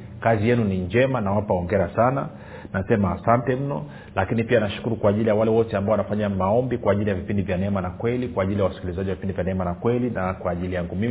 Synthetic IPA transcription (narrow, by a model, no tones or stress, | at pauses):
kazijɛnuniɲd͡ʒɛmanawapaɔŋɡɛɾasana | nasɛmaːsantɛm̩nɔ | lakinipianaʃu̥kuɾukwaːʄilijawalɛwɔtɛambaɔwanafaɲamaɔmbikwaːʄilijavipindivjanɛɛmanakwɛlikwaːʄilijawasi̥kilizaʄiwavipindivjanɛɛmanakwɛlinakwaːʄilijaŋɡumi